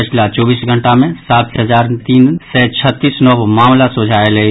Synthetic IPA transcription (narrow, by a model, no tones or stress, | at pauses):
ət͡ʃʰlat͡ʃɔːbiːsɡʱə̃ɳʈamẽsaːt̪ɦəzaːɾt̪iːnsɛt͡ʃʰət̪ːiːsnɔʋmaːmlasod͡ʒʱaːelə